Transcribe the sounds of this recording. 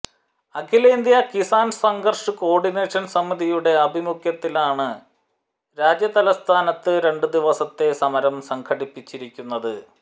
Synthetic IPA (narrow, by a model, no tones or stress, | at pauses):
ɐkʰileind̪jɐkisaːnsɐŋɡɐrʂɨko̞ːrɖine̞ːʂɐnsɐmːiðijuɽe̞ɐbʱimukʰjɐt̪ːilaːɳɨ | ɾaːd͡ʑjɐt̪ɐlɐst̪ʰaːnɐt̪ːɨɾe̞ɳɖɨd̪iʋɐsɐt̪ːe̞sɐmɐɾɐmsɐŋkʰɐɽipːit͡ɕːiɾikʲːunːɐðɨ